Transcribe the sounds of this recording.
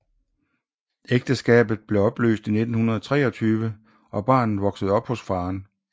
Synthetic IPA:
eɡ̥̚d̥əsɡ̥ɛ̰ːb̥ð̞̩ˠb̥le̝ɒ̽b̥lø̰ːsd̥ine̝d̥n̩hunɐð̞ˠɒt͡sʰʁɛ̰ːɒ̽t͡sʰyːʋə | ʔɒ̽b̥ɑ̰̈ːnð̩ˠʋɒ̽ɡ̥səð̞̩ˠɒ̽b̥hɔ̽sfɑ̈ːn

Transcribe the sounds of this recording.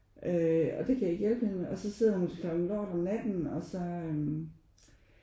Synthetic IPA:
ʔøɒ̽d̥e̝kʰæjae̝ɡ̥jelb̥əhenɒ̽sɒ̽se̝ð̞̰ˠɐhunskʰlɒɡ̥n̩lɒ̰ːɾ̥ɒmnæd̥n̩ɒ̽sɒ̽øm

